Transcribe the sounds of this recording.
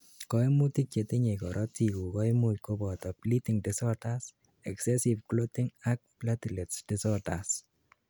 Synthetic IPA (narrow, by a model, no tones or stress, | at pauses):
kɔimutik̚t͡ʃet̪iɲekɔɾʔɔtikukɔimut̚kobɔt̪ɔplitiŋdɪsɔtas | ɛksɛsivklotɪŋak̚platilɛtsd̥ɪsɔtas